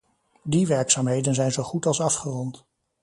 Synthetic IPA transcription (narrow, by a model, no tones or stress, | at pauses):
diʋɛɹksaːmɦejdənzɛjnzowχutɑlˠsɑfχərɔnt